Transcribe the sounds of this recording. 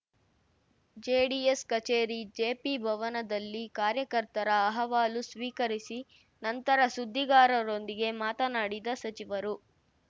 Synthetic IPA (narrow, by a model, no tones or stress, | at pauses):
d͡ʒeːɖieskɐt͡ʃeːɾid͡ʒeːpibʱɐʋɐnɐd̪ɐlːikaːɾjɐkɐɾt̪ɐɾɐːɦɐʋaːlusʋiːkɐɾisi | nɐnt̪ɐɾɐsud̪ʱːiɡaːɾɐɾo̞nd̪iɡe̞maːt̪ɐnaːɽid̪ɐsɐt͡ʃiʋɐɾu